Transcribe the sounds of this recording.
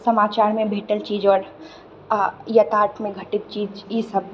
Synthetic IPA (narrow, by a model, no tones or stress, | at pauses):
səmaːt͡ʃaːɾmẽbʱeːʈəlt͡ʃiːd͡ʒɔːɾ | jɐt̪aːʈʰmẽɡʱɐʈit̪̚t͡ʃiːd͡ʒisəb̚